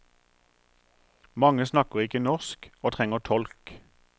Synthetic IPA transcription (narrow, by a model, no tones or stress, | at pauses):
mɑŋəsnɑkəʁɪkənɔʁskoːt̪ʰʁɛŋəʁt̪ʰɔlk